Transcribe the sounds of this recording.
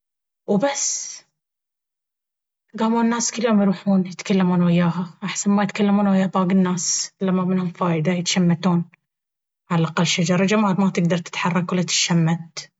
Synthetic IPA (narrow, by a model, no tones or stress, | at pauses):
wbasː | ɡaːmuːnːaːskɪlːhʊmjɾuːħuːnjɪt̪kalːamuːnwɪjːaːɦaʔaħsanmajɪt̪kalːamuːnwɪjːaːbaːɡɪnːaːslamːamɪnhʊmfaːjd̪ajɪt̪ʃamːat̪uːn | ʕalaʔaqalːʃad͡ʒɑɾˤɑd͡ʒamaːlmat̪ɪɡ̚d̪ɑɾˤt̪ɪ̥t̪ħɑrˤːɑkwalːat̪ɪ̥ʃamːat̪̚